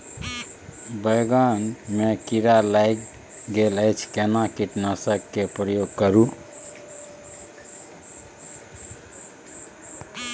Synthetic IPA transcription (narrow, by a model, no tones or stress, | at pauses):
bəjɡanmekiɾalajk | ɡeləjt͡ʃʰkenakiʈnəsəkːepɾəjoɡ̚kəɾu